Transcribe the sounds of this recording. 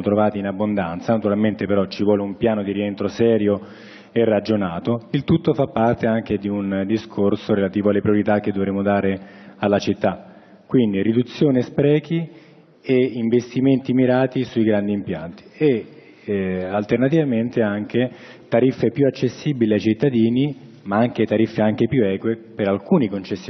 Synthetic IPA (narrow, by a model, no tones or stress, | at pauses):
mot̪ɾovaːt̪iːnabːond̪ant̪sanat̪uɾalment̪epeɾɔt͡ʃːivwɔːleumpjaːnod̪iɾient̪ɾosɛːɾjo | erːad͡ʒonaːt̪oilt̪ut̪ːofapːart̪eaŋk̟ed̪iund̪iskʰorsoɾelat̪iːvoalːepɾioɾit̪ak̟ːed̪ːovɾeːmod̪aːɾealːat͡ʃit̪ːa | kːwind̪irid̪ut̪sːjoːnespɾɛːki | eiɱvest̪iment̪imiɾaːt̪isuiɡɾand̪iːmpja̰nt̪i̥e | alt̪ernat̪ivament̪eaŋk̟e | t̪aɾifːepjuat͡ʃːesːibiliajt͡ʃit̪ːad̪iːni | maaŋk̟et̪aɾifːeaŋk̟epjuɛːkwepeɾalkuːnikont͡ʃesːj